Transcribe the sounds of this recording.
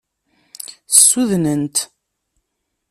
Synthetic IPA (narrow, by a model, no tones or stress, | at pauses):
θəsːuðnənt̪